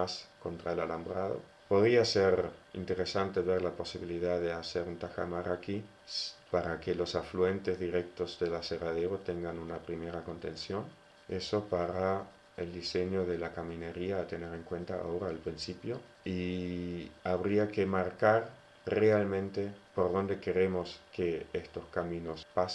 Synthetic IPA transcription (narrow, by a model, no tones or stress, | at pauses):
asko̞nt̪ɾaelalambɾaðo̰ | po̞ð̞ɾiaseɾḭnt̪eɾesant̪eβeɾlapo̞siβiliðaðeaseɾunt̪axa̰maɾaki | spaɾakelo̞safluent̪ezðiɾek̚t̪ozðelaseraðeɾot̪eŋɡanunapɾimeɾako̞nt̪ensjo̞n | eso̞paɾa | eld̪iseɲo̞ðelakamĩneɾiaːt̪eneɾe̞ŋkwe̞nt̪aa̰oɾaːlpɾinsipjo̞ | i | aβɾiakemaɾkaɾ | realmẽ̞nt̪epo̞ɾðo̞nd̪e̞keɾe̞mo̞skeest̪oskamĩnospas